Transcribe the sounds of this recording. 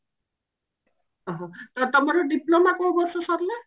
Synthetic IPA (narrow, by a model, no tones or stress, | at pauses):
ɔɦɔ̃t̪ɔt̪ɔmaɾɔɖiplomakɔ̃bɔɾsɔsɔɾle